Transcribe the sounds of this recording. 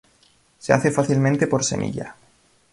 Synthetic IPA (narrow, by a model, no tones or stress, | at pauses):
sea̰θe̞faθilmẽnt̪epo̞ɾse̞̰mʔḭʎa̰